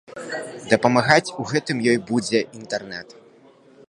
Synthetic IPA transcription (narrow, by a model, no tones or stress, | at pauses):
d̪ɐpɐmaɣat͡sʲuɣɛt̪ɨmjɔjbud͡zʲɛʔint̪ɐrnɛt̪